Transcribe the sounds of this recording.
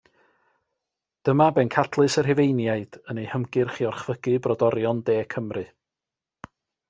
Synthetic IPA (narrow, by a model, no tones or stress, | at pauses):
d̥əmabɛnkʰadʰlˠɨsərɦɪvejnjaɨd̥ənejhəmɡɨrχiɔrχv̥əɡ̥ɨbrɔdɔɾjɔndeːkʰəmrɨ